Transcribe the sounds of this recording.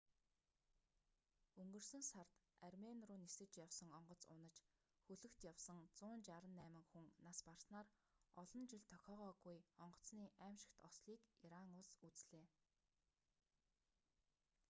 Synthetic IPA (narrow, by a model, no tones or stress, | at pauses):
ɵŋɡɵ̆rsɵ̆nsart̪armenrʊːnesɘ̆t͡ɕjawsə̆ŋɔɴɢɞ̆t͡sʊ̰nə̆t͡ɕ | xɵɮɵ̆kt̪jawsə̆ŋt͡sʊːnt͡ɕaɾə̆nːæːmɘ̆ŋxuŋnaspar̥snaːr | ɔɮɞ̆nt͡ɕɪ̆ɮt̪ʰœxʲɔːʁɔːɣujɔɴɢɞ̥̆t͡sniːʔæːmʃɪ̆kt̪ɔsɮiːkiɾaŋʊɮsut͡sɮeː